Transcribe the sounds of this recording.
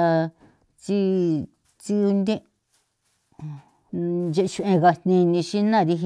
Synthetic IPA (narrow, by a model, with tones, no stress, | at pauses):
a˧ | t͡si˦ | t͡si˦u˧nd̪ẽ˦ | d͡ʒe˧ʔʃu˧ʔẽ˧ɣa˧nnĩ˧nĩ˧ʃi˦nã˦˨ɾi˧ɦ